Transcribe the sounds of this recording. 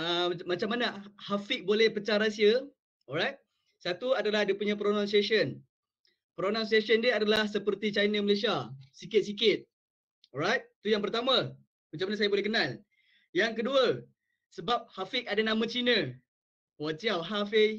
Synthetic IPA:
əmat͡ʃamːanahafɪk̚bolɛhpət͡ʃaɾasiə | ɔɾajt̪̚ | sat̪uadalahdipuɲãpɾonãnsiasən | pɾonãnsiesəndiəadalahsəpərt̪it͡ʃajnəməlesiasikɪt̪̚sikɪt̪̚ | ɔɾajt̪̚t̪ujaŋp̬ərt̪amã | mat͡ʃamanasajabolɛhkənãl | jaŋkəduə | səbap̚hafɪkadanãmãt͡ʃinə̃ | wat͡ʃiawɦafe

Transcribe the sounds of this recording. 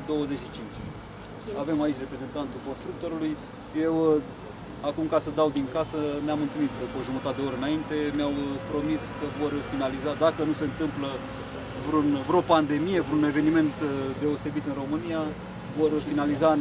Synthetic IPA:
d̪o̞wəze̞t͡ʃʃit͡ʃint͡ʃʲ | ave̞mait͡ʃʲre̞pɾe̞ze̞nt̪ant̪ulko̞nst̪ɾuk̚t̪o̞ɾuluj | je̞w | akumkasəd̪awd̪iŋkasəneamɨnt̪ɨlnit̪koʒumət̪at̪eo̞ɾeənaint̪e̞mjawpɾo̞miskəvo̞rfinalizad̪akənuse̞ɨnt̪ɨmplə | vɾunvɾeopand̪e̞mije̞vɾune̞ve̞nime̞nt̪d̪e̞ose̞bit̪ɨnro̞mɨnija | vo̞rfinaliza

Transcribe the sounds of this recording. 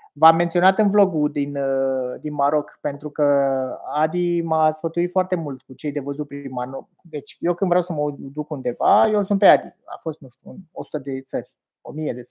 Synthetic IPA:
vamːent̪sio̞nat̪ɨnvlo̞ɡud̪ind̪inmaɾo̞kpe̞nt̪ɾukəad̪imasfət̪uit̪foart̪e̞mult̪kut͡ʃe̞jd̪e̞vəzut̪̚pɾmano | d̪e̞t͡ʃʲjewkɨnvɾeawsəməd̪ukund̪e̞vajesunt̪̚pead̪ia̰fo̞st̪̚nuʃt̪ʲuɨno̞su̥t̪əd̪e̞t̪sərʲ | o̞̰mije̞d̪e̞t̪sɾʲ

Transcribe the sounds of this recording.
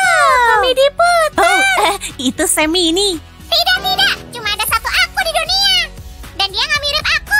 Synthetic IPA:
səmidiput̪̚əhit̪usɛmiːni | t̪idak̚t̪idak̚t͡ʃumaːdasat̪uʔakudiduniadandiaŋamiɾɪp̚aku

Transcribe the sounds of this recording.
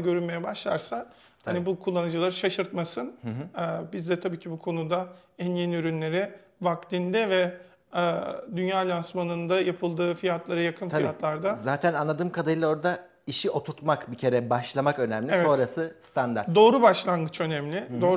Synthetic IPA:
ɟø̞ɾynme̞jɛbaʃlˠaɾsa | hanibukʰulˠːanɯd͡ʒɯlˠaɾɯʃaʃɯɾt̪masɯnː | bizd̪ɛt̪ʰabiːcʰibukʰo̞nud̪a | ænjeniyɾynlʲe̞ɾɪ | vakt̪ind̪ɛvɛː | d̪ynjaːlʲasmanɯnd̪ajapʰɯlˠd̪ɯːfijat̪ʰlˠaɾajakʰɯnʰaijat̪lˠaɾd̪azaːt̪ʰænanlˠad̪ɯːmkʰad̪ajɯlˠao̞ɾd̪a | iʃiʔo̞t̪ʰut̪makbicʰe̞ɾɛbaʃlˠamakø̞næmlʲieɛo̞ɾasɯst̪ʰand̪a̰ɾd̪o̞ːɾubaʃlˠanɡɯt͡ʃʰø̞nɛmlʲɪd̪oː

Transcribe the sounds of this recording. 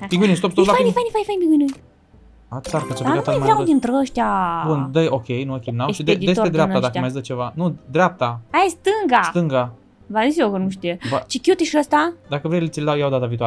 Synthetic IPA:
biɡinest̪opst̪olaajnifajnifajnfajnbiɡini | asaɾkət͡ʃafakat̪maad̪int̪ɾəʃt̪ʲjabund̪əjokʲejnuokʲejnawʃid̪ed̪id̪espeɾeapt̪ad̪ak̪majzd̪ət͡ʃe̞vanud̪ɾʲeap̚t̪aajast̪ɨŋɡast̪ɨŋɡa | vazisiokənuʃt̪ijebət͡ʃikjut̪iʃəst̪ad̪akəvɾejlet̪sʲild̪awjawd̪at̪aviːt̪ual

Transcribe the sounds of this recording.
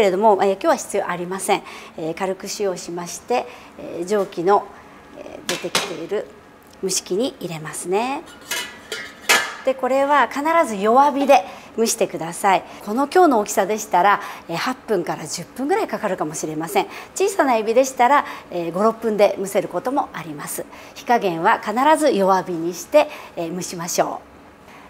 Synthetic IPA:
eɾe̞d̪o̞mo̞eːkʲoːβaçi̥t͡sɨjo̞ʔaɾʲimasẽ̞ŋeːkaɾɯ̟kɯ̟ɕio̞ɕimaɕi̥t̪e̞ | ʑo̞ːkʲino̞ | ḛd̪e̞t̪e̞kʲi̥t̪e̞iɾɯ̟ | mɯ̟ɕi̥kʲiɲ̟iiɾe̞masɨne̞ | d̪̥e̞ko̞ɾe̞β̞akanaɾazɨjo̞βabʲid̪e̞mɯ̟ɕi̥t̪e̞kɯ̟d̪asaikʰo̞no̞kʲo̞ːno̞ːkʲi̥sad̪e̞ɕi̥t̪aɾaeːhapːɯ̟̃ŋkaɾad͡ʑɨpːɯ̃ŋɡɯ̟ɾaikakaɾɯ̟kamo̞ɕiɾe̞masẽ̞ŋ̃t͡ɕiːsanaebʲid̪e̞ɕi̥t̪aɾaeːɡo̞ɾo̞pːɯ̟̃nd̪e̞mɯ̟se̞ɾɯ̟ko̞t̪o̞mo̞ʔaɾʲimasɨ̥ | çi̥kaɡẽ̞ɰ̃βakanaɾazɨjo̞βabʲiɲ̟iɕi̥t̪e̞mɯ̟ɕimaɕo̞̰ː

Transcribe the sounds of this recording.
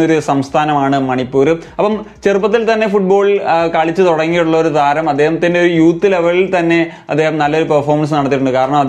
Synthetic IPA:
o̞ɾusɐmst̪ʰaːnɐmaːɳɨmɐɳipːuːɾɨɐpːɐmt͡ɕe̞rupːɐt̪ːilt̪ɐnːe̞fuʈ̚bo̞ːɭkaːɭit͡ɕːɨt̪uɽɐŋːijʈuɭːɐoɾut̪aːɾɐmɐd̪ːe̞ːhɐmt̪indeoɾujuːt̪ːileʋɐɭilt̪ɐnːe̞ | ɐd̪ːeːhɐmnɐlːɐoɾupɐrfoːrmɐns̬nɐɽɐt̪ːiʈuɳɖɨkaːɾɐɳɐmɐd̪

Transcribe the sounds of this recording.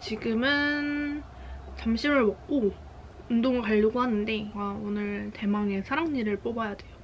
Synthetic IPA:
t͡ɕiɡɯmɯn | t͡ɕamɕʰimɯɭmʌk̚k͈o | undoŋkaʎːoɡoɦanːɯnde̞aonɯɭte̞maŋe̞sʰaɾaŋɲiɾɯɭp͈obajade̞jo

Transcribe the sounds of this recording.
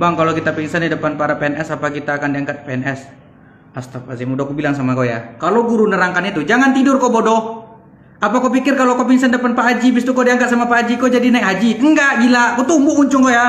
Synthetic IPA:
baŋkalokit̪apiŋsanːidəpanpaɾapeɛnɛsapak̬it̪aːkandiaŋkat̪̚peɛnɛs | ast̪apasimudakubilaŋsamakoja̰kaloɡuɾunəɾaŋkanit̪ud͡ʒaŋant̪idʊrkɔbɔdɔh | apakɔpikɪrkalokɔpinsandəpanpaːd͡ʒibist̪ukɔdiaŋkat̪̚samapaːd͡ʒikɔd͡ʒadinaikɦad͡ʒiəŋɡaʔɡilakɔt̪umbuuɲt͡ʃʊŋkɔja

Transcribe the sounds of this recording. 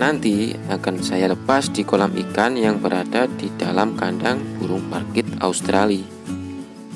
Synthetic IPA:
nant̪i | akansajaləpasd̥ikolamḭkanjaŋbəɾʔadad̥id̥alamkandaŋb̥uɾʊŋparkɪt̪a̰ust̪ɾali

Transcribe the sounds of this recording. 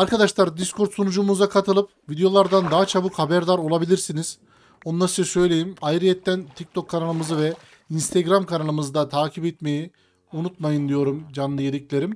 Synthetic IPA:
aɾkʰad̪aʃlˠaɾd̪iskʰo̞ɾt̪sonud͡ʒumuzakʰat̪ʰɯlˠɯpvid̪ejo̞lˠaɾd̪and̪aɦat͡ʃʰabɯkhabæɾd̪aɾo̞lˠabilʲiɾsiniz̥ | o̞nlˠaɾɯt͡ʃʰasø̞jlʲe̞jimajɾijɛt̪ʰːænt̪ʰic̚t̪ʰo̞kʰːanalˠɯmɯzɯvɛ | inst̪ʰeɡɾamkʰanalˠɯmɯzɯd̪at̪ʰaːcʰipɛt̪me̞ji | unut̪majɯnd̪ijo̞ɾumd͡ʒanlˠɯjelʲicʲlʲe̞ɾim

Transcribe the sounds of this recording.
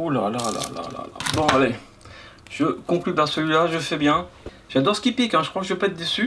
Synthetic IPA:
ulaalaala̰la̰la̰la̰bɔ̃ale | ʒ̥əkɔ̃klybãsəlɥilaʒəfɛbjɛ̃ | ʒ̥ad̪ɔʁsə̥kʲipikɛ̃ʒəkχwakəʒəvepaɛt̪̚d̪esy

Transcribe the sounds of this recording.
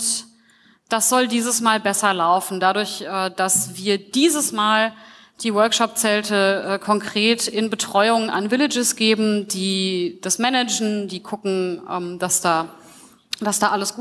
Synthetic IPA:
d̥asz̥ɔldiːzəsmaːlbɛsɐlaʊfn̩dadʊɐçʔɛːd̥asv̥iːɐd̥iːzəsmaːl | d̥iːwœɐkʃɔp̚t͡sɛltəʔɛːkʰɔŋkʁ̥eːtɪnbətʁ̥ɔʏʊŋa̰nvɪlɪd͡ʒɪsɡ̥eːbm̩diːd̥asmɛnɛd͡ʒn̩diːkʰʊkŋ̩ʔɛ̰ːmd̥asd̥aː | d̥asd̥aːʔaləsɡ̥uː

